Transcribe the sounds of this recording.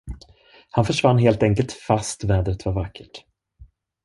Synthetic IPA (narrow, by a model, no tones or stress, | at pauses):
hanfœʂvanːɦeːlt̪ɛŋkəlt̪fast̪vɛːd̪ɾət̪vaɾvakʰːə̥ʈ